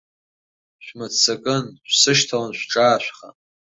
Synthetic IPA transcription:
ʃʷmat͡sʰakʼɨnɕʷsɨʃtʰalanʃʷʈ͡ʂʼaːʃʷᶣχa̰

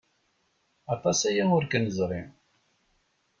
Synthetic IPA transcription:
ɑt̪ˤɑsæjaʊɾkənəzˤɾˤim

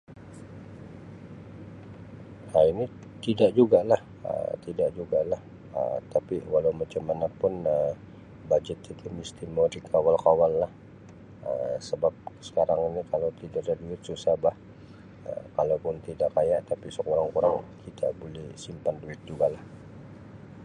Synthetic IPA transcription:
haini | t̪idaʔd͡ʒuɡalah | ə̰t̪idaʔ̚d͡ʒuɡalah | ə̰t̪apiwalawmat͡ʃəmːanapʊnə | bad͡ʒɛt̪it̪ʰumist̪imodikʰawalkawalːah | ə̰səbap̚sə̥kaɾaŋinikalawt̪idaʔdaduɪt̪̚susahbah | ə̰kalapʊnt̪idaʔkajaʔt̪apisəkuɾaŋkuɾaŋkʰit̪ʰa̰bolɛhsimpanduɪt̪̚d͡ʒuɡalah

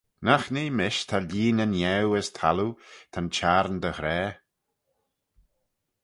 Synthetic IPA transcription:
naxniːmɪʃt̪ʰaliːnənjɛwəst̪ʰa̰lut̪ʰant͡ʃaːɾnd̪əhɾɛː

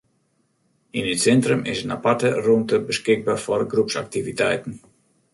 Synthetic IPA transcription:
ɪnɪtsɛntrəmɪ̰sənapatərumtəbəskɪɡ̚baːrfɔrɡrupsa̰k̚tivitɛjtən̩

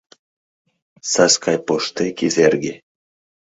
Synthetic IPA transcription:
saskʰɑjpoʃt̪ekʲizerɡʲe

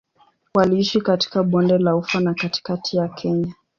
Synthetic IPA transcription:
waliiʃikati̥kaɓɔndɛlaufwanakati̥katʰijakʰɛɲa

